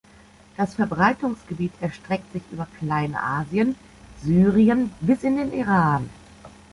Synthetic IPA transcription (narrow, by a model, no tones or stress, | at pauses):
d̥asfɛɐbʁaɪtʊŋsɡ̥əbiːtʰɛɐʃtʁ̥ɛk̚tz̥ɪçʔy̰ːbɐkl̥aɪnʔa̰ːziən | zyːʁiənbɪsɪndeːnʔiʁaːn